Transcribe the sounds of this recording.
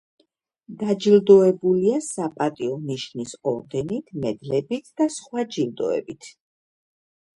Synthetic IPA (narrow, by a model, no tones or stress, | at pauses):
d̪ad͡ʒild̪ɔɛbuliasapʼat̪ʼiɔniʃnisɔɾɡɛnit̪ʰmɛd̪lɛbit̪ʰd̪̥asχwad͡ʒild̪ɔ̰ɛ̰bit̪ʰ